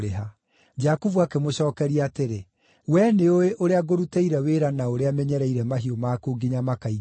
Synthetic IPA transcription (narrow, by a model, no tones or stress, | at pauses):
ɾeɦa | d͡ʒakuvuakemoɕɔːkɛɾiateɾe | wɛneoeʔoɾeaɡoɾutɛiɾɛweɾanaoɾeamɛɲɛɾɛiɾɛmaɦiomaːkoːɡiɲamakai